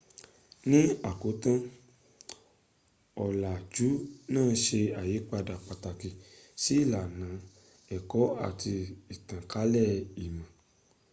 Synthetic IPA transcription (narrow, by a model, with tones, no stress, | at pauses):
nĩ˦a˨ko˨˦tã˦ | ɔ˨la˨d͡ʒu˨˦nãː˦˧˨ʃe˧a˨ji˨˦k͡pa˧da˨k͡pa˨ta˨ki˧si˦i˦˨la˨nã˨˦ | ɛ˨kɔ˨˦a̰˦˨ti˧i˨tã˨ka˨˦lɛ˦˨i˨mã˨